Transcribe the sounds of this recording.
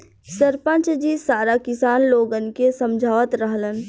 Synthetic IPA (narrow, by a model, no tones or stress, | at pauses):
səɾpə̃nt͡ʃd͡ʒisaːɾakɪsaːnloːɡənkesə̃md͡ʒʱaːʋət̪ɾəɦlən